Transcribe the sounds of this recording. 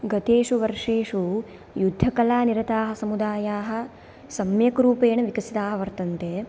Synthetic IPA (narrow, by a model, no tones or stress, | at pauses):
ɡɐt̪eːʂuʋɐɾʂeːʂu | jud̪ʱːɐkɐlaːniɾɐt̪aːɦɐ̆sɐmud̪aːjaːɦɐ̆ | sɐmjɐkɾuːpeːɳɐʋikɐsit̪aːɦɐʋɐɾt̪ɐnt̪eː